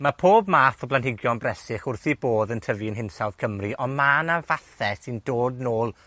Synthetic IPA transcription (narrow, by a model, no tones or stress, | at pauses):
mapʰoːbmaːθɔblˠanɦɪɡjɔnbrɛsɪχʊrθiboːðəntʰəviənɦɪnsawð̥kʰəmriʔɔmaːnavaθɛsɪndoːdnoːlˠ